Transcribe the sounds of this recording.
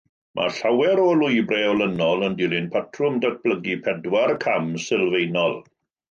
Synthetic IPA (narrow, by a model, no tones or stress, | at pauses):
mʔa̰ɬawɛɾɔlʊjbrɛɔlənɔlˠəndɪlˠɪnpʰatʰrʊmdat̚b̥ləɡipʰɛdwarkʰamsɪlˠvejnɔlˠ